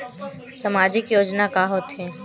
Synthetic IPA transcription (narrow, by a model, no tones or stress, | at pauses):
səmaːd͡ʒɪkjoːd͡ʒnakaɦot̪ɦɛ̃